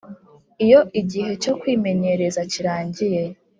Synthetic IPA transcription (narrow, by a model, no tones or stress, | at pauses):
ijo̞ʔiɟiɦe̞t͡ʃo̞kwiːme̞ɲe̞ɾezaciɾaːɲɟije̞